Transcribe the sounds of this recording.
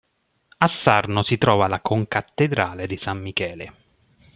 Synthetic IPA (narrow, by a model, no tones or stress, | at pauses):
asːarnosit̪ɾɔːvalakʰoŋkat̪ːed̪ɾaːled̪isamːikɛːle